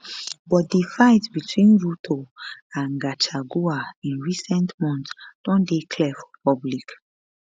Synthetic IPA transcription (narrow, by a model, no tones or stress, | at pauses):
bɔt̚difaɪtbitʰwĩnɹutʰoãnɡat͡ʃaɡuaĩnɹisɛ̃ntmɔ̃ntd̥ɔ̃ndekʰlɛfɔ̥pʰɔblik